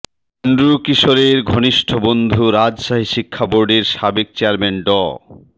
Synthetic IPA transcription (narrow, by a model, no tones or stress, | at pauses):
nɖɾukiʃoɾeɾɡʱoniʃʈʰobond̪ʱuɾad͡ʑʃaɦiʃikʰːaboɾɖeɾʃabek̚t͡ɕeaɾmenɖɔ